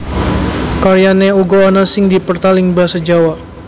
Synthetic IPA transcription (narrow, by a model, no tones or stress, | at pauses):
kaɾijanɛuɡoanasɪŋdipərt̪alɪŋbəɦasad͡ʒawa